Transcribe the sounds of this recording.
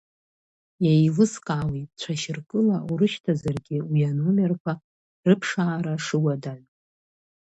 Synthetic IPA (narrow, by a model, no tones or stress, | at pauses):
jajlɨskʼaːwitʼt͡ɕʷʰaʃɪrkʼɨlauɾɨʃtʰazarɡʲɪujanomerkʷʰa | rɨpʰʂaːɾaʂɨwadaʕʷ